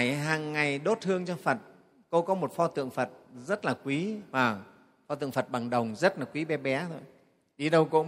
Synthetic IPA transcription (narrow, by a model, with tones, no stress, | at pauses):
jɦaː˨˩ŋːa˨˩jɗo˦˥t̚hɨ˧əŋt͡ɕɔ˧fə˨˩t̚ | ko˧kɔ˨˦mo˨˩t̚fɔ˧t̪ɨ̰˧˨əŋfə˨˩t̚zə˦˥t̚laː˨˩kwi˨˦vaː˨˩ | fɔ˧t̪ɨ̰˧˨əŋfə˨˩t̚ɓa˨˩ŋɗə˨˩wŋ͡mzə˦˥t̚laː˨˩kwi˨˦ɓɛ˨˦ɓɛ˨˦t̪ʰo˧j | ɗi˨˦ɗə˧wko̰˧˥